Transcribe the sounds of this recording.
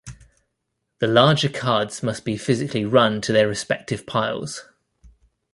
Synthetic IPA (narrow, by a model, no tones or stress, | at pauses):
ðəlɑːd͡ʒəkʰɑːdz̥mʌsb̥ifɪzɪkʰliɹʌ̃ntʰəðəɹɪspɛk̚tʰɪv̥pʰaɪlˠz̥